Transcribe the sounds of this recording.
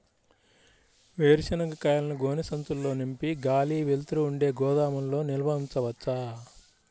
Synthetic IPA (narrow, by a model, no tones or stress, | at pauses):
ʋeːɾʃɐnɐɡɐkɐjɐlɐnɐɡoːnisɐnt̪ulːo̞ːnimpiɡaːliːʋelt̪ɾuːɳɖe̞ːɡɔːd̪aːmɐmlo̞ːnilʋɐunt͡ʃɐʋɐt͡ʃːɐ